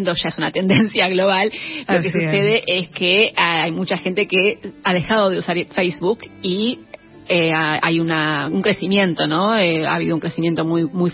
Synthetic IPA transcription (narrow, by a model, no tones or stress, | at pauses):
nd̪oʒ̥aesunat̪e̞nd̪ensjaɣlo̞β̞allokesuseð̞eʔeskeajmut͡ʃaxent̪ekeaðe̞xað̞o̞ðeusaɾfejzβuki | eaa̰junauŋkɾe̞simjẽ̞nt̪o̞noea̰ːβiðouŋkɾesimjent̪o̞mujmuj